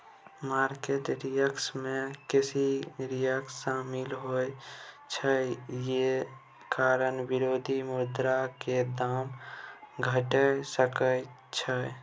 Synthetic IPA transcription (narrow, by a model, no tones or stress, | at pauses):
maːɾkeʈɾɪjəksmẽkɪsiɾijəksaːmɪlɦoː | t͡ʃʰəje | kaːɾənʋɪɾoːd̪ʱimʊd̪ɾaked̪aːm | ɡʱəʈəsəkə | t͡ʃʰə